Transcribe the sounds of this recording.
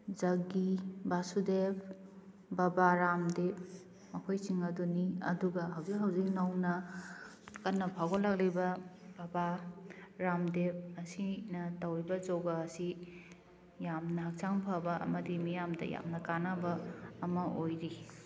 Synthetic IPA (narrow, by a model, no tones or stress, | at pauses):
zɐɡibasudep | babaɾamdep̚ | mɐkʰojsiŋɐduniɐ̰duɡɐɦawzikɦawzik̚nɐwnɐ | kɐnːɐpʰaɡolɐk̚lejbɐ | bɐba | ɾamdep̚ɐsinɐtɐwibɐd͡ʒɔɡaːsi | jamnɐɦak̚saŋpʰabɐʔɐ̰mɐdimijamdɐ̰ja̰mnɐkanabɐːmɐʔojɾi